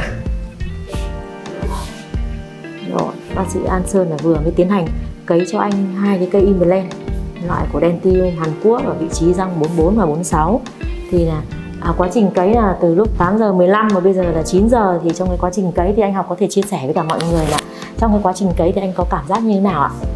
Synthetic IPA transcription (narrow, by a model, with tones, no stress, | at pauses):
zo̰˧˩nɔ˨˦sɨ̰˧˨ʔaː˧nsəː˧nlaː˨˩vɨ˨˩əŋə˨˦t̪i˨˦ənha˨˩jŋ̟kə˨˦jt͡ɕɔ˧ʔa˧jŋ̟ɦaː˧jkaː˨˦jkə˧jʔi˧mə˨˩lɛ˧n˨˦lwa̰ː˧˨jku˧˩əɗɛ˧nt̪i˧ɦaː˨˩nku˦˥ək̚vaː˨˩vḭ˧˨t͡ɕi˨˦za˧ŋ͡mɓo˨˦nɓo˨˦nmaː˨˩ɓo˨˦n˨˦sa˨˦w | t̪ʰi˨˩naː˨˩ | ʔaː˨˩kwaː˨˦t͡ɕï˨˩ŋ̟kə˨˦jnaː˨˩t̪ɨ˨˩lʊ˦˥k͡p̚t̪aː˨˦mzəː˨˩mɨ˨˩əjla˧mːaː˨˩ɓə˧jzəː˨˩laː˨˩t͡ɕi˨˦nzəː˨˩t̪ʰi˨˩t͡ɕɔ˧wŋ͡mkaː˨˦jkwaː˨˦t͡ɕï˨˩ŋ̟kə˨˦jt̪ʰi˨˩ʔa˧jŋ̟ɦɔ˨˩k͡p̚kɔ˨˦e˧˩t͡ɕi˧əsɛ˧˩və˨˦kaː˧˩mɔ̰˧˨jŋɨ˨˩əjlaː˨˩ | t͡ɕɔ˧wŋ͡mkaː˨˦kwaː˨˦t͡ɕï˨˩ŋ̟kə˨˦jt̪ʰi˨˩ʔa˧jŋ̟kɔ˨˦kaː˧˩mzaː˦˥t̚ɲɨ˧e˨˦naː˨˩wʔa̰ː˧˨